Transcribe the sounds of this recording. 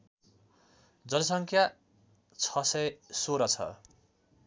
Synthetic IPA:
d͡zʌnʌsʌŋkʰja | t͡sʰʌsʌjsoɾʌt͡sʰʌ̰

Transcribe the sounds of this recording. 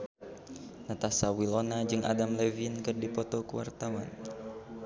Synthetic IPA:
nat̪asawilonad͡ʒɨŋa̰damlɛvinkɨrdipɔt̪ɔkəwa̰rt̪awa̰n

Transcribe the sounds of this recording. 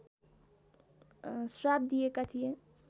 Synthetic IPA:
sɾabd̪iekat̪ʰijẽ

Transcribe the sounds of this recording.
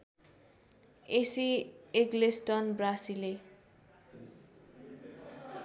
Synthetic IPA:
esieɡlesʈʌnbrasile

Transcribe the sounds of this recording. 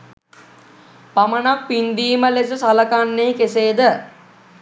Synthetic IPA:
pamənak̚pind̪iːməles̬əsaləkanːekeseːd̪ə

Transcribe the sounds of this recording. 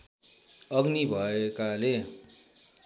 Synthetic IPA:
ʌɡnibʱʌekale

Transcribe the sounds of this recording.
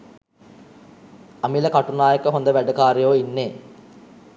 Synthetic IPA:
amiləkaʈunaːjəkəɦond̪əʋæɖəkaːɾijoːinːeː

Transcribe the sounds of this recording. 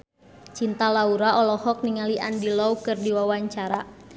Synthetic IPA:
t͡ʃint̪alauɾaɔlɔhɔk̚niŋaliʔa̰ndilɔukɨrdiwawaɲt͡ʃaɾa

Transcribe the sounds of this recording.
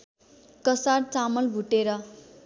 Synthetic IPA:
kʌsart͡samʌlbʱuʈeɾʌ

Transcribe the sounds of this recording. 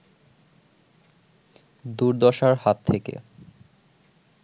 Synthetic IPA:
d̪uɾd̪ɔʃaɾhat̪ʰːekḛ

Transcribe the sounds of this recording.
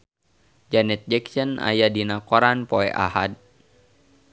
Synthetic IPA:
d͡ʒanɛt̪̚d͡ʒɛksəna̰jadinakɔɾanpɔɛ̰ʔa̰had̚

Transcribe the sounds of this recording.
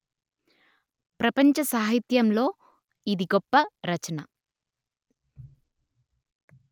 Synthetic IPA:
pɾɐpɐɲt͡ʃɐsaːɦit̪jɐmlo̞ː | id̪iɡopːɐɾɐt͡ʃɐnɐ

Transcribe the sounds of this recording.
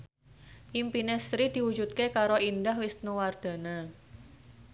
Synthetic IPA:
ʔimpinesɾid̪̥i̤wu̥d͡ʒut̪̚kekaɾoʔindahwɪst̪̚nuward̪̥a̤na

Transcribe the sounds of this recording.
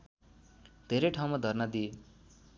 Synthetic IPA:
d̪̥ʱeɾejʈʰaw̃mad̪ʱʌrnad̪ie

